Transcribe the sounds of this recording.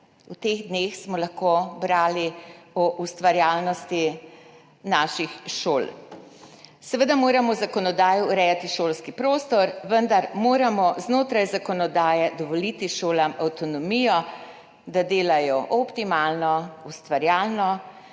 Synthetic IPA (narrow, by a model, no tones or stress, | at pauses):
ut̪eɣd̪nexsmɔlaxkobɾaːliɔʔust̪ʋaɾjaːlnɔst̪i | naːʃixʃoːl | sɛʋəd̪amoːɾamɔzakɔnɔd̪aːjɔːɾɛjat̪iʃoːlskipɾoːst̪ɔɾʋənd̪aɾmoːɾamɔznoːt̪ɾajzakɔnɔd̪aːjɛd̪ɔʋɔlit̪iʃoːlamawt̪ɔnɔmiːjɔ | d̪ad̪eːlajɔʔɔpt̪imaːlnɔust̪ʋaɾjaːlnɔ